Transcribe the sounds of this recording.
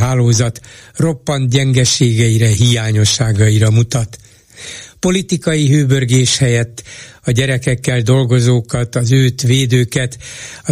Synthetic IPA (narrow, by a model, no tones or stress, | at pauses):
ɦaːloːzɒt̪ro̞pːɒnt̪ɟɛŋɡɛʃeːɡɛiɾɛɦijaːɲo̞ʃːaːɡɒiɾɒmut̪ɒt̪ | po̞lit̪ikɒjiɦøːbørɡeːʃhɛjɛt̪ːɒɟɛɾɛkɛkːɛld̪o̞lɡo̞zoːkɒt̪ɒzøːt̪ʋeːd̪øːkɛt̪ɒ